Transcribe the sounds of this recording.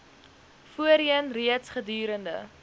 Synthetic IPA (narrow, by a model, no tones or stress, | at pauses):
fuəɾiənriətsχədyːɾəndə̰